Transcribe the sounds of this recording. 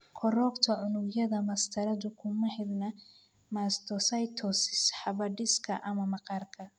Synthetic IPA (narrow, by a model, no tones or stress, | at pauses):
kʰɔrɔːkt̪ʰɐʕʊnʊɡjɐðɐmɐst̪ʰɐɾɐðʊkʰʊmɐhɪdnɐ | mast̪ʰɔsɐjt̪ʰɔsɪsħɑβɐɖɪskʰɐʔɐmɐmɑqɑrkʰɐ